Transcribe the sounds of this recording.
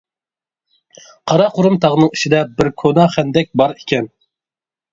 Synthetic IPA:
qʰɑɾɑqʊɾumt̪ʰɑʁnɨŋiʃid̪ɛbɪɾkʰonɑχænd̪ɛk̚ʲbɑɾikʲʰɛn

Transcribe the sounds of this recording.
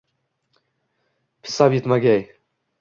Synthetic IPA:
pʰi̥sabit̪maɡʲɛj

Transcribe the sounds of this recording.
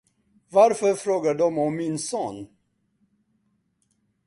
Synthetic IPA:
vaɾfœɾfɾoːɡaɖɔmɔmːɪnsoːn

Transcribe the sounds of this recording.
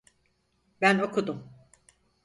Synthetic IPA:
bæno̞kud̪um

